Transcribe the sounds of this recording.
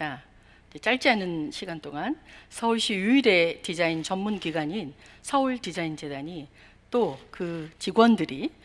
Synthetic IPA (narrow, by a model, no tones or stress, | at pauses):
a | id͡ʑet͡ɕ͈aɭt͡ɕ͈iɦanɯnɕʰiɡant͈oŋansʰʌuɭɕ͈ijuiɾe̞tid͡ʑaint͡ɕʌmːunkiɡwaɲinsʰʌɯɭtid͡ʑaind͡ʑe̞daɲi | t͈okɯt͡ɕiɡwʌndɯɾi